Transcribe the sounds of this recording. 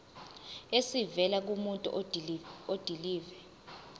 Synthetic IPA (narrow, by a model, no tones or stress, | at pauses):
esivɛlak̬umuntʼṵʔ | od̥ʱiliːvɛ